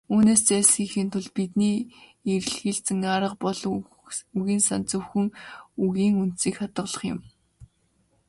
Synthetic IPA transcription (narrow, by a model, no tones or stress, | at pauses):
uːneːst͡sæːsxiːŋxiːnt̪ʰʊɮpit̪niːer̆ɮxiːɮt͡sɘ̆ŋaːɾə̆qpɔɮ | uɣiːnsant͡sɵ̆wxɘ̆ŋuɣiːŋunt̪siːkχat̪ə̆ɮə̆χjɪ̰̆m